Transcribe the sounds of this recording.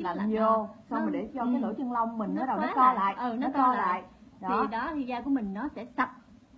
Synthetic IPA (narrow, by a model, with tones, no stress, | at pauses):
la˨˩ɲ˨ə˨˩sɔ˧wm˨˩ɗe˧˩t͡ɕɔ˧kaː˨˦lə̰˧˦t͡ɕɨ˧ŋla˧wŋ͡mmːï˨˩ŋ̟nɔ˨˦ɗə˨˩˦nɔ˨˦t͡ɕɔ˧la̰ː˧˨jʔɨ˨˩nɔ˨˦t͡ɕːɔ˧lala̰ː˨˧˨j | ɗ̪ʰi˨˩ɗɔ˨˦t̪i˧˩zaː˧ku˧˩əmï˨˩ŋ̟nɔ˨˦sɛ̰˧˥sə˨˩p̚